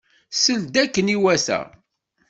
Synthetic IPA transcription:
səld̪ækːəniwæsæ̰

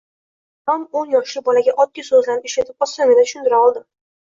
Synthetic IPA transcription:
t̪ɒmonjɒχʃɪbɒlaɡʲaʔɒt̪̚ːɪsɵzlanɪpeʃlat̪ʰɪp̚ɒsanɪd̪at̪ʰʊʃʊnd̪ɪɾaɒlˠd̪ɪ

